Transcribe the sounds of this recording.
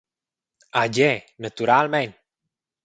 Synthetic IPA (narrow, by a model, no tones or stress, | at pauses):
ad͡ʒenət̪uɾalment̪̚